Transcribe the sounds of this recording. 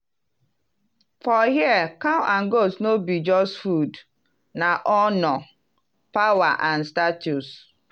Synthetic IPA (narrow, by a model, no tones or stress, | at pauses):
fɔɦiakawaŋ̩ɡosnobid͡ʒɔstfud | naʔɔnɔ | pawaʔanstatus